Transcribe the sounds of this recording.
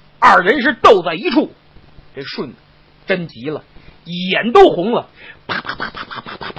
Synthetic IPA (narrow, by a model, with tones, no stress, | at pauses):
ɐ˥˨˩ɻə˧˥ʂ̬ɻ̩˥˧t̪o˥˧ʊt͡sa˥˩ɪi˧˥ʈ͡ʂʰu˥˩ | ʈ͡ʂe˥˩ɪʂwə˥˩n | ʈ͡ʂə˥nt͡ɕi˧˥lə̰˨i˨˩jɛ˧˥nt̪̬o˥ʊxʊ˧˥ŋlə˨pa˥˩pa˥pa˥˩pa˥pa˥pa˥˩pa˥˩p